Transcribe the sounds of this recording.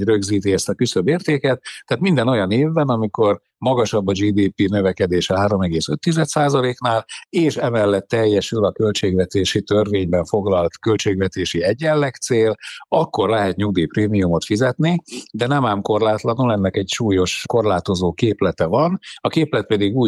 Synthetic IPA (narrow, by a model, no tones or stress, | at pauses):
røɡziːt̪iɛst̪ɒkysøbeːrt̪eːkɛt̪ːaːt̪mind̪ɛno̞jɒneːvːɛnɒmiko̞r | mɒɡɒʃɒbːɒd͡ʒiːd̪iːpinø̞vɛkɛd̪eːʃhaːɾo̞mɛɡeːsø̞t̪ːizɛt̪saːzɒleːknaːleːʃɛmɛlːɛt̪ːɛjːɛʃylɒkø̞lt͡ʃeːɡvɛt̪eːʃit̪ørveːɲbɛɱfo̞ɡlɒlt̪kølt͡ʃeːɡvɛt̪eːʃiɛɟːɛlːɛkt̪seːlɒkːo̞rlɛɦɛt̪ɲuɡd̪iːpreːmijumo̞t̪fizɛt̪nid̪ɛnɛmaːmko̞rlaːt̪lɒnulɛnːɛkɛcʃuːjo̞ʃko̞rlaːt̪o̞zoːkeːplɛt̪ɛvɒnɒkeːplɛt̪̚pɛd̪iɡuː